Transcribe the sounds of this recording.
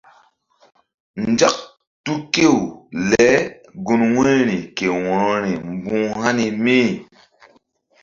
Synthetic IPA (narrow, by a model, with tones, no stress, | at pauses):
nd͡ʒa˦k̚ | tu˦ke˦˨wlɛ˨˦ | ɡu˦nwẽ˦ɾi˨ke˨wɔ̃˨˦ɾi˨m˦bũ˦ha˦ni˨mi˦